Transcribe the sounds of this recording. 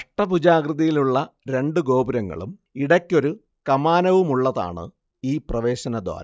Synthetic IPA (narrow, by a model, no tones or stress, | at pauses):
ɐʂʈːɐpud͡ʑaːɡrɨðɐjiluɭːɐɾe̞ɳɖɨɡo̞ːbuɾɐŋːɐ̰ɭṵmiɽɐkʲːo̞ɾu | kɐmaːnɐʋumuɭːɐða̰ːɳɨ̰ | iːprɐʋe̞ːɕɐnɐd̪ʋa̰ːɾɐ